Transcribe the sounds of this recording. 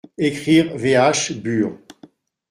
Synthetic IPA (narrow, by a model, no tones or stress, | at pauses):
ekχiʁveaʃbyːʁ